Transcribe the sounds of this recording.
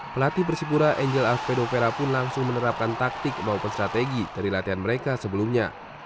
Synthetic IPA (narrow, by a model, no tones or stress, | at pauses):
pəlat̪ipərsipuɾaʔɛɲd͡ʒɛlafpedofeɾapʊnlaŋsʊŋmənəɾap̚kant̪ak̚t̪ɪk̚maupəst̪ɾat̪eɡid̥aɾilat̪iɦanməɾekasəbəlumɲa̰